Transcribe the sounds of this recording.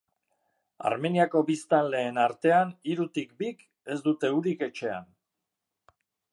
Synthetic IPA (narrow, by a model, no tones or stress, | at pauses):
a̰ɾme̞niako̞bist̪anle̞ːnaɾt̪e̞aniɾut̪ikbik | e̞zd̪ut̪e̞uɾike̞t͡ʃe̞a̰n